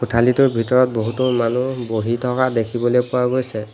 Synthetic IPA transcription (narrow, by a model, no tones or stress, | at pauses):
utʰalituɹbʱitɔɹɔt̚boɦutɔmanuboɦitʰɔkadekʰibɔlejpʊwaɡojsɛ